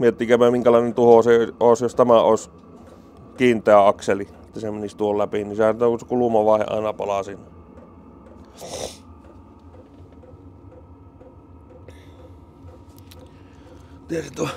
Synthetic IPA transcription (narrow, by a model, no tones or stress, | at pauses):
miet̪ːiːkæpæmiŋkælɑˑnent̪uhoseoˑesjost̪æmæoˑes | kiːnt̪ːˑæjɑɑkseli | et̪ːæsemenist̪uhollæpinisehænt̪okusekulumɑʋɑˑehḛʔɑ̰ˑenɑpɑlɑsin | t̪iert̪u